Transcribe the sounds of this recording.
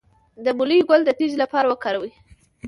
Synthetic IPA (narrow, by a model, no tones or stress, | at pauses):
d̪əmʊlijɡʊld̪ət̪id͡ʒlapɑɾawəkɑɾawi